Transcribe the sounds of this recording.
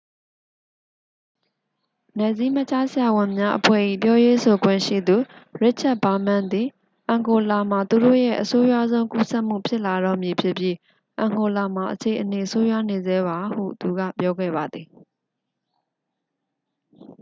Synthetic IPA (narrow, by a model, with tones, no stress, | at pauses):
nɛ˨zi˦m̥ə˦t͡ɕa˦sɪja˨wɪ̃˨mja˦ʔəpʰwɛ̰˦˨ʔḭ˦˨p̬jɔ˦je˦so˨ɡwɪ̰̃˦˨ʃḭ˦˨d̪u˨ɹɪ˦t̚t͡ɕʰa˦ʔ̚ba˨mã˦˨nd̪i˨ | ʔã˨ŋɡo˨la˨ma˨t̪u˨ɾo̰˦˨jɛ̰˦˨ʔəso˦ja̰˦˨zõ˦ʊ̃ku˦sɛ˦ʔm̥ṵ˦˨pʰjɪ˦ʔla˨ɾɔ̰˦˨mji˨pʰjɪ˦ʔpji˦ | ʔã˨ŋɡo˨la˨m̥a˨ʔət͡ɕʰe˨ʔəne˨əso˦ja˦ne˨zɛ˦ba˨hṵ˦˨t̪u˨ɡa̰˦˨pjɔ˦ɡɛ̰˦˨ba˨d̪ði˨